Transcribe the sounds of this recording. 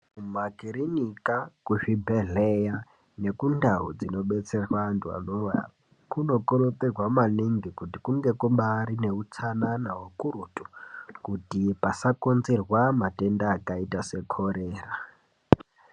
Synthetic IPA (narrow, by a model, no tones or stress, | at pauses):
kumakiɾinikakuʐibʱeɮeja | ne̞kundʱaud͡zino̞ɓet͡serwantua̰nowa̰ | kuno̞koɾotirwamaniŋɡikutikuŋɡe̞kumɓaɾine̞ut͡sʰananawokuɾutu̥kutipasakonzirwamatendaːkaitase̞kʰoɾeːra